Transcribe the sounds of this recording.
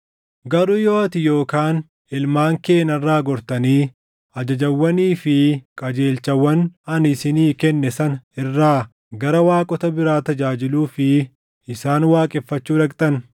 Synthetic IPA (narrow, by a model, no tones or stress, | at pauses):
ɡɐɾuːjoːɐt̪ɪjo̞ːkaːn | ɪlmaːŋkeːnɐrːaːɡɔɾt̪ɐniː | ɐd͡ʒɐd͡ʒɐwːɐniːfɪkʼɐd͡ʒe̞ːlt͡ʃɐwːɐnɐnɪsɪniːkɛnːɛsɐnɪrːaː | ɡɐɾɐwaːkʼɔt̪ɐbɪɾaːt̪ɐd͡ʒaːd͡ʒɪluːfɪ | ɪsaːnwaːkʼɛfːɐt͡ʃːuːɾɐkʼt̪ʼɐn